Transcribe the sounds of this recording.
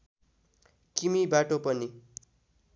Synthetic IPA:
kimibaʈopʌni

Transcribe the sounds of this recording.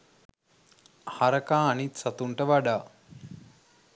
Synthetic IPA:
haɾəkãːɐnit̪sɐt̪uɳʈəʋaɖaː

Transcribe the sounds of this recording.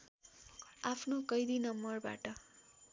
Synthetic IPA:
apʰnokʌjd̪inʌmbʌrba̰ʈʌ

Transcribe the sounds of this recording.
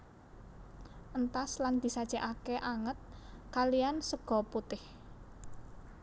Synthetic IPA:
ʔənt̪asland̪̥i̤sad̥ʒ̥a̤ʔakeʔaŋət̪̚kaliansəɡ̥ɔ̤put̪ɪh

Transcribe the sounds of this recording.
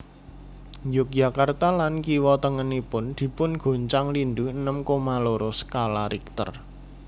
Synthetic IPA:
ɲd͡ʒʊk̚j̥a̤kart̪alankiwɔt̪əŋənipʊnd̪̥i̤pʊnɡ̥o̤ɲt͡ʃaŋlinduənəmkomaloɾosə̥kalaɾik̚t̪ə̰r

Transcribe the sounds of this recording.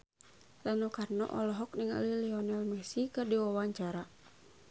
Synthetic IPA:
lanukarnɔ̰ʔɔlɔɦɔk̚niŋa̰lilɛɔnalmɛsikadiwawaɲt͡ʃaɾa

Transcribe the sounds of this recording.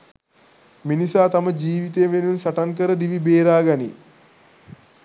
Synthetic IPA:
minisaːt̪aməd͡ʒiːʋit̪ejːʋenunsaʈankəɾəd̪iʋibeːɾaːɡanḭ

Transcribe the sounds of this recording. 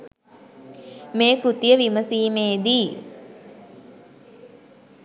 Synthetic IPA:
meːkɾut̪ijəʋiməsiːmeːd̪iː

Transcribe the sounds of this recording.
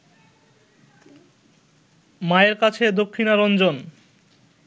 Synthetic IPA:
maeɾkat͡ɕʰed̪okʰːinaɾɔnd͡ʑon

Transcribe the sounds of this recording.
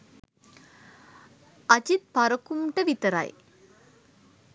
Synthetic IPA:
ɐt͡ʃit̪̚pɐɾɐkumʈɐʋit̪ːɐɾa̰ːj

